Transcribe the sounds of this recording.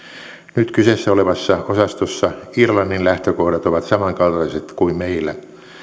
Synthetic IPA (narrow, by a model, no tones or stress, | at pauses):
nyt̪kysesːæoleʋɑsːɑosɑst̪osːɑirlɑnːinlæht̪økohdɑt̪oʋɑt̪sɑmɑŋkɑlt̪ɑliset̪kuimmeilːˑæ